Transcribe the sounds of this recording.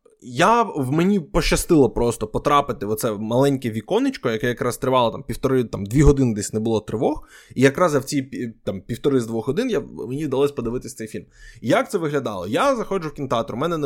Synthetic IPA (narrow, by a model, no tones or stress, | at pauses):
jawmenʲipɔʃt͡ʃːɐst̪ɪlˠɐpɾɔst̪ɔpɔt̪ɾɑpɪt̪ɪɔt̪sɛmɐlˠɛnʲkɛʋʲikɔnɪt͡ʃkɔjɐkɛjɐkɾɑst̪ɾɪʋɑlˠɐt̪ɑmpʲiwt̪ɔɾɪt̪amd̪ʲʋʲiɦɔd̪ɪnɪd̪ɛsʲnɛbʊlˠɔt̪ɾɪʋɔxijɐkɾɑzɐwt͡sʲijpʲit̪ɑmpʲiwt̪ɔɾɪzd̪ʋɔxɦɔd̪ɪnjamenʲiwd̪ɐlˠɔsʲpɔd̪ɪʋɪt̪ɪsʲt̪ɛjfʲilʲmjak̚t̪sɛʋɪɦlʲɐd̪ɑlˠɔ̰jazɐxɔd͡ʒʊwkʲint̪ɑt̪ɔɾmɛnɛn